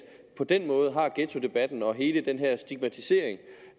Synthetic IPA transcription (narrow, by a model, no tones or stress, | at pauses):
pʰɒ̽d̥enmɔ̽ːð̞ˠɦɑ̈ɡ̥et͡sʰo̝d̥e̝b̥æd̥n̩ɒ̽ɦe̝ːləd̥enɦæɐ̰sd̥iɡ̥mæt͡sʰise̝̰ɐ̰eŋ